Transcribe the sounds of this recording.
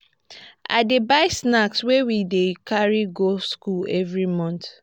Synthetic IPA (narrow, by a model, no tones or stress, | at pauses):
a̰debaɪsnakswewidekʰaɹiɡoskulɛvɹimɔ̃nt